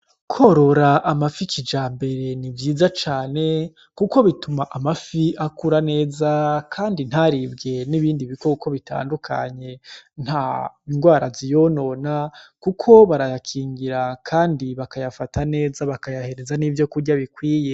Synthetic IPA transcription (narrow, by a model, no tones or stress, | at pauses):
kʰo̞ɾo̞ɾaʔamafikid͡ʒaːmbe̞ɾe̞nivjiːzat͡ʃaːne̞ | kuko̞βitumaʔamafiʔakuɾane̞ːzakʰaːndin̥haɾibɡe̞niβiːndiβikokʰo̞βita̰ːndukʰa̰ɲe̞n̥ha | iŋɡwaːɾazijo̞no̞nakukʰo̞βaɾajakʰiːŋɡiɾakʰaːndiβakajafatʰane̞ːzaβakajahe̞ɾe̞zanivjo̞kuɾɟaβikwiːje